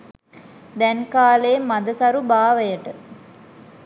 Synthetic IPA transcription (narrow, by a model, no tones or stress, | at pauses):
d̪ɛnkaːleemːad̪əsɐɾubaːʋəjəʈə